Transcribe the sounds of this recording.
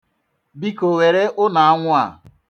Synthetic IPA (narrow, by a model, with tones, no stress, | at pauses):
bi˦ko˨we˨ɾe˦ʔʊ˦na˨a˦ŋʷʊ˦a̰˨